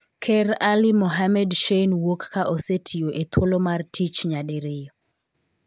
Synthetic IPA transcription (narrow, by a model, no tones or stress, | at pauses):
kʰɛralimoɦamɛdʃenwokːaʔosetʰijoʔet̪wolomartʰit͡ʃɲaɗɪɾɪjo